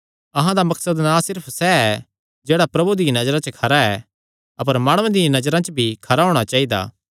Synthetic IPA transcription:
ɐɦãd̪amɐksəd̪nãsɪɾpʰsɛɛ | d͡ʒeːɽapɾɐbud̪ɪãnɐd͡ʒɾãt͡ʃəkʰɐɾaɛ̰ | ɐp̬əɾmaːɽ̃uẽd̪ɪjãnɐd͡ʒɾãt͡ʃbʱikʰɐɾaɦoːɽ̃at͡ʃaːid̪a̰ː

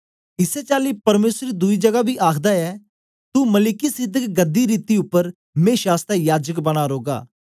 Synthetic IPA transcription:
ɪsɛt͡ʃaːlipɐɾmeːsɾɾid̪ʊid͡ʒɐɡabʱiʔaːkʰd̪aɛː | t̪umɐlɪkisɪd̪ʱəkɡɐd̪iɾiːt̪iʊpːəɾ | mẽːʃaːst̪ɛjaːd͡ʒəkbɐɽ̃aɾoːɡa̰ː

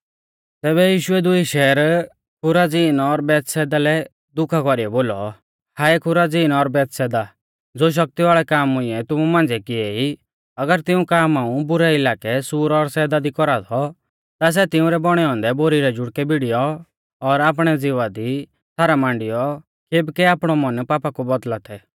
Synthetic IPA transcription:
t̪ɛːβɛjiːʃʊɛd̪ʊiʃɛːɾ | kʰʊɾad͡ziːnɔɾbɛːt̪sɛːd̪alɛ | d̪ʊkʰakɔɾijɔboːlɔ | haːɛkʰʊɾad͡ziːnɔːɾbɛːt̪sɛːd̪a | d͡zoːʃ̬ɐk̚t̪iʋaːɭɛkaːmʊĩɛt̪ʊmumãːnd͡zɛkɪei | ɐɡəɾt̪ɪũkaːmaːũbʊɾɛɪlaːkɛsuːɾɔːɾsɛːd̪ad̪ikɔɾat̪ʰɔ | t̪as̬ɛt̪ɪũɾɛbɔɽ̃ɛɔ̃ːnd̪ɛboːɾiɾɛd͡ʒʊɽkɛbɪɽɪjɔ | ɔɾaːp̬ɽ̃ɛd͡zɪʋad̪i | sʰaːɾamãːɳɖɪjɔ | keːbkɛaːpɽ̃ɔmɔnpaːpakubɔd̪lat̪ʰɛ

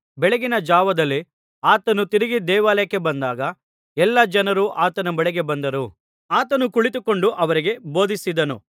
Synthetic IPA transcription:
bɛɭeɡinɐd͡ʒaːʋɐd̪ɐlːi | aːt̪ɐnut̪iɾiɡid̪ɛːʋaːlɐjɐkːe̞bɐnd̪aːɡɐ | ɛlːɐd͡ʒɐnɐɾuʔaːt̪ɐnɐbɛɭɛɡe̞bɐnd̪ɐɾu | aːt̪ɐnukuɭit̪uko̞ɳɖuʔɐʋɐɾiɡe̞bo̞ːd̪isid̪ɐnṵ

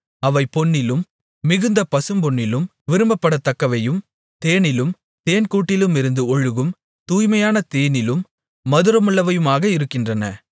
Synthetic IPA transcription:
ɐʋɐɪpɔɳːɪlɯmː | ɪɣɯnd̪ɐpɐsɯmbɔɳːɪlɯm | ʋɪɾɯmbɐpːɐɽɐt̪ːɐkːɐʋɐjɯm | t̪eːɳɪlɯm | t̪eːnkuːʈːɪlɯmɪɾɯnd̪ɯɔɻɯɣɯm | t̪uːjmɐjaːnɐt̪eːnɪlɯmː | ɐðɯɾɐmɯɭːɐʋɐjɯmaːɣɐɪɾɯkːɪndrɐnɐ̰

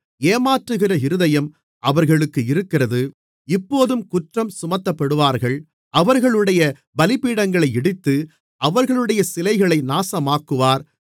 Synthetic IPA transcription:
eːmaːʈrɯɣɪrɐɪɾɯðɐjɐm | ʔɐʋɐɾɣɐɭɯkːɯɪɾɯkːɪrɐðɯ | ɪpːoːðɯmkʊʈrɐmsʊmɐt̪ːɐpːɐɽɯʋaːɾɣɐɭ | ɐʋɐɾɣɐɭɯɽɐjɐ | bɐlɪpiːɽɐŋɡɐɭɐɪɛɽɪt̪ːɯ | ɐʋɐɾɣɐɭɯɽɐjɐsɪlɐɪɣɐɭɐɪnaːsɐmaːkːɯʋaːɾ

